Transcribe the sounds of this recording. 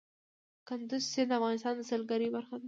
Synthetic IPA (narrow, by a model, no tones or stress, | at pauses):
kand̪ʊzsɪd̪afɣɑnɪst̪ɑnd̪əsalɡaɾibaɾxad̪a